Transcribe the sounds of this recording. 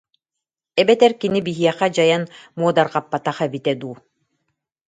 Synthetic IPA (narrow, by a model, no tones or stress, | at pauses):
ɛbɛt̪ɛɾkinibiɦiɛχad͡ʑajanmuɔd̪aɾqapːat̪aχɛbit̪ɛd̪uː